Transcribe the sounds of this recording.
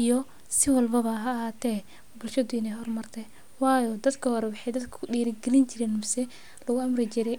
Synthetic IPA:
ijɔ | sɪwɐlbɐβɐɦɐːhat̪ʰɛ | bʊlʃɐðʊɪnɛjɦɔrmɐrt̪ʰɛ | wɑːjɔd̪ɐd̪kʰɐhɔɾɛwɑħɑjd̪ɐd̪kʰɐ̥ʊɗiːɾɪɡɛlɪnt͡ʃɪɾɛːnmʊsɛ | lɐɣʊɐmrɪt͡ʃɪɾɛj

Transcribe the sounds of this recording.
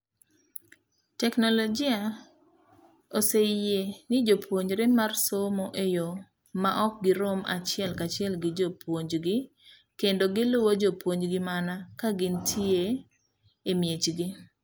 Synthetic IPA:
tɛknolod͡ʒia | osejenɪd͡ʒopwoɲɾemarsomoʔejo | maʔɔk̚ɡɪɾoma̰t͡ʃɪɛlkat͡ʃɪɛlɡɪd͡ʒopʰwoɲd͡ʒɡɪ | kendoɡɪlʊwod͡ʒopwoɲd͡ʒɡɪmanakaɡɪntʰjie | emjet͡ʃɡɪ

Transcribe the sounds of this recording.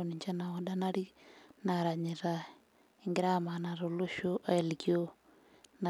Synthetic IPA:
oniɲt͡ʃanaoɗanaɾinaɾaɲiɾa | iŋɡiɾamanaɾoloʃoʔeliɡio | na

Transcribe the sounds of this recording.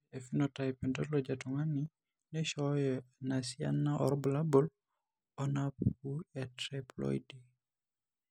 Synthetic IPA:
efinɔtajpɛndɔlɔd͡ʒatuŋani | nɛʃɔjɔnasia̰nːaʔɔ̰ɾbulabɔl | ɔnapuɛtɾɛplɔ̰jdi

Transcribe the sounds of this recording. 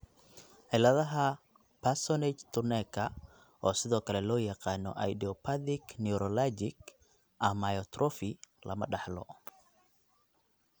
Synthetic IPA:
ħɪlɐðɐɦɐ | pʰɐrsɔnɛt͡ʃt̪ʰʊnɛkʰɐ | ɔːsɪðɔːkʰɐlɛlɔːjɑqɑːnɔ̰ʔɐ̰jd̪iɔpʰɐðɪknɛɾɔlad͡ʒɪɡ | ʔɐmɐjɔt̪ʰrɔfɪlʔɐ̰mɐ̰ɖɑħlɔ̰

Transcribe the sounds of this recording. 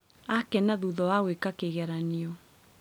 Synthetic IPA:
akɛnaðuðɔwaɣwekakeɣɛɾaniɔ

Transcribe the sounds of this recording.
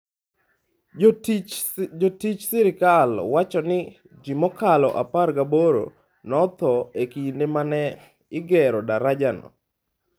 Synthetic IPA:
d͡ʒotit͡ʃsɪɾɪkalwat͡ʃɔnɪ | d͡ʒimɔkalɔ̰ʔaparɡaboɾo̰ | nɔt̪ɔekindemanɛ | ɪɡɛɾɔdaɾad͡ʒanɔ̰

